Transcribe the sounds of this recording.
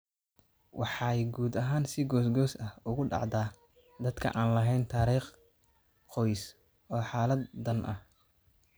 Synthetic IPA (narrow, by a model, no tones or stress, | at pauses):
wʔɑħɑːɛjɡuːd̪ɐɦaːnsɪɡɔːsɡɔːsɐhʊɣʊɖɑ̰ʕd̪aː | d̪ɐd̪kʰɐ̰ʔaːnlɐɦɛjnt̪ʰaːɾiːχ | qɔjs | ɔːħɑːlɐd̪ːɐnʔɐ̰h